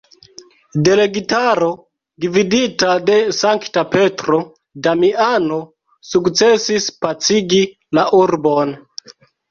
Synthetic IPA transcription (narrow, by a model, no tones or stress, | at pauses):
de̞le̞ɡitaɾo̞ | dividitade̞saŋktape̞tɾo̞ | damiano̞ | sukt͡sesispat͡siɡi | laʔuɾbo̞n